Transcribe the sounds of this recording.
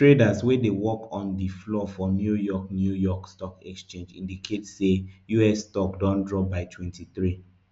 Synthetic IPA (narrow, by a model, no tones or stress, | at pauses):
tɹedaswedewɔkʰɔ̃ndiflɔfɔnjujɔk̚njujɔkstɔkɛkst͡ʃẽnd͡ʒḭ̃ndikʰetsejuɛsːtɔkdɔ̃ndɹɔbaɪtʰwɛ̃ntiθɹi